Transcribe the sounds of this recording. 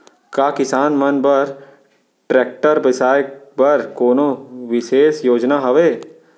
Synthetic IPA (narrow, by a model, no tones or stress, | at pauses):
kaːkɪsaːnmɐnbəɾ | ʈɾɛːk̚ʈəɾbɪsaːjk̚bɐɾkoːnõʋɪʃeːsjoːd͡ʒnaɦɐʋeː